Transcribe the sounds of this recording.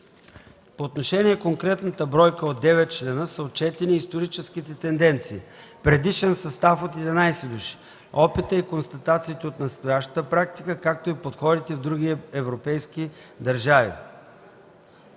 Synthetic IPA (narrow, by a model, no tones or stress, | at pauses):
poːt̪noʃɛniɛkoŋkɾɛt̪nət̪əbɾɔjkəod̪ːɛvɛt̪̚t͡ʃlɛnəsəot̪̚t͡ʃɛt̪ɛniːst̪oɾit͡ʃɛskit̪ɛt̪ɛnd̪ɛnt̪siː | pɾɛd̪iʃɛnsɐst̪afot̪ɛd̪ɛnajsɛd̪uʃi̥ | ɔpit̪əikonst̪ɐt̪at̪siːt̪ɛot̪nɐst̪ojaʃt̪ə̥t̪əpɾak̚t̪i̥kəkak̚t̪oipot̪xɔd̪it̪ɛvd̪ɾuɡ̟iɛvɾopɛjski | d̪əɾʒavḭ